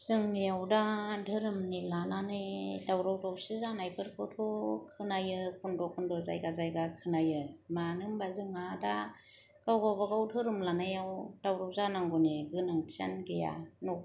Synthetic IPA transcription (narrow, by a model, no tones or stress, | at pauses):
z̥ɯŋnijawdadʱɯɾɯmnilananɯjdawɾɔwdɔwsizanajpʰɯɾkʰɯtʰɔkʰɯnajɯkʰundɔkʰundɔza̰jɡazajɡakʰɯnajɯmanɯŋbazɯŋada | ɡ̥awɡawbaɡawdʰɯɾɯmlanɯjawdawɾɔwzanaŋɡuniɡɯnaŋʰia̰nɡeja̰nɔ